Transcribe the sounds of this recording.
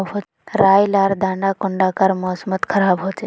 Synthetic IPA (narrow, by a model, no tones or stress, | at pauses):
bɦo | ɾaːjlaɾd̪ãːɳɖakʊɳɖakəɾmɔːsmət̪kʰəɾaːbɦot͡ʃe